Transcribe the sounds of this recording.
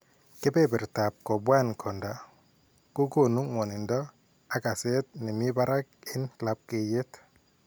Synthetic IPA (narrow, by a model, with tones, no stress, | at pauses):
kɪ˦pe˦bɪ˨ɾta˨p̚kɔ˨bwa˦nkʰɔ˨nda˨ | ko˦ko˦˨nu˦ŋwɔ˨nɪ˨ndɔ˦ | a˨ka˨se˦t̚nɪ˨mi˦ba˦ɾa˦k̚ɪ˦nla˦p̚ke˨je˦t